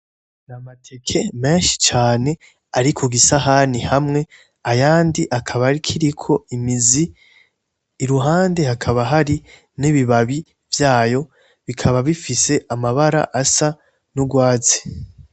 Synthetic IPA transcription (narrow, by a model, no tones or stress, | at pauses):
namatʰe̞kʰe̞me̞ːnʃi̥t͡ʃaːne̞ | aɾikʰuɡisaɦanihamŋe̞ | ajaːndiʔakʰaβaɾikʰiɾikʰo̞imizi | ɾuɦaːnde̞hakʰaβaɦaɾi | niβiβaβi | vjaːjo̞ | βikʰaβaβifise̞ʔamaβaɾa̰ʔasa | nuɡwaːzi̥